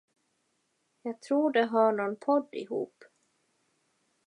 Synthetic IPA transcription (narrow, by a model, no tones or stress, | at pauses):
jɑːɡ̚t̪ʰɾuːɖɛɦɑːɳɔnpʰɔd̪ːɪ̰ɦṵːp